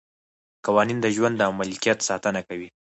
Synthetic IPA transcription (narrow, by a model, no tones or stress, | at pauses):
qawɑnind̪əʒwand̪ːəamalkijat̪sɑt̪ənakawi